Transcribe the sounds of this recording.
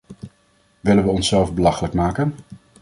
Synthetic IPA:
ʋɪlənʋəɔnsɛlˠvbəlɑχələkmaːkən

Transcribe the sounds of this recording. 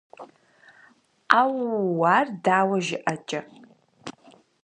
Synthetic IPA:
awwaːrdaːwɐʒɪʔɐt͡ʃʼɐ

